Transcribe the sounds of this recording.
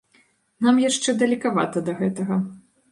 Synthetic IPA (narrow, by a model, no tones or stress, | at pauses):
namjaʂt͡ʂɛd̪ɐlʲikava̰t̪ɐd̪ɐɣɛt̪ɐɣɐ